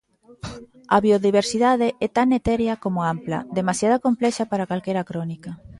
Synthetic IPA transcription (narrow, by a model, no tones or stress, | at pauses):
ɐ̰βioðiβ̞eɾsiðaðeʔɛt̪anet̪ɛɾjɐkomʊamplɐ̰d̪emasjaðakomplɛʃapaɾakalkɛɾakɾɔnikɐ